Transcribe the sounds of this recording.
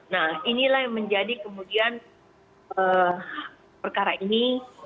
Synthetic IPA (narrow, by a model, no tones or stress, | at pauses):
nahinilahməɲd͡ʒadikəmudian | ə | pərkaɾaʔini